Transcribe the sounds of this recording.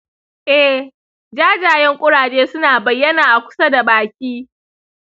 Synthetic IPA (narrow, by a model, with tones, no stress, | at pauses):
ʔɛ˦ | d͡ʒaː˦d͡ʒaː˨jɛ˦ŋkʷʼʊ˦ɽaː˨d͡ʒeː˦sʊ˦naː˨bɐ˨jːɐ˦naː˨ʔa˨kʷʊ̥˦sɐ˦da˨baː˨kʲiː˦